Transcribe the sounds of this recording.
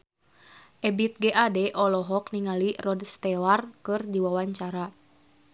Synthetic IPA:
ʔɛbit̪̚ɡɛʔadɛʔɔlɔɦɔk̚niŋalirɔdst̪ɛwarkɨrdiwawaɲt͡ʃaɾa

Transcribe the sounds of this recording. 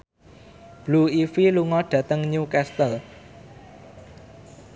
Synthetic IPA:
b̥luifiluŋɔɖ̥ä̤t̪əŋɲukɛst̪əl

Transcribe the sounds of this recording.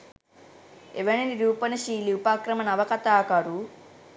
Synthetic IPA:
eʋɐniniɾuːpɐnɐʃiːliupaːkɾɐmɐnɐʋɐkɐt̪aːkaɾu

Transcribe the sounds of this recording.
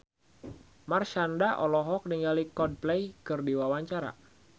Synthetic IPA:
marʃandaʔɔlɔɦɔk̚niŋalikɔd̚plɛjkɨrdiwawaɲt͡ʃaɾa̰

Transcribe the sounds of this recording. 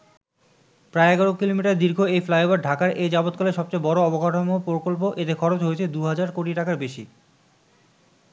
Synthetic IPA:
pɾaeɛɡaɾokilomiʈaɾd̪iɾɡʱoejflajobaɾɖʱakaɾejd͡ʑabot̪koleʃɔb̚t͡ɕejbɔɾoɔboɡʱaʈʰomopokolp̬oʔet̪ekʰɔɾot͡ɕɦoet͡ɕʰed̪uɦad͡ʑaɾkoʈiʈakaɾbeʃi

